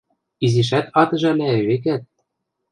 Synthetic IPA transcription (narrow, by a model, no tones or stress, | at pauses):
iziʃ̬æt̪ɑt̪ɤ̆ʒælæβek̬æt̪̚